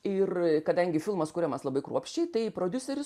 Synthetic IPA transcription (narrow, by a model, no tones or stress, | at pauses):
ɪrkɐd̪ɐŋʲɡʲɪfʲɪlˠmɐskʊɾʲɛmɐslˠɐbɐɪkɾuɔpʲʃʲt͡ʃʲɛɪt̪ɐɪpɾoːd̪ʲʊsʲɛɾʲʊs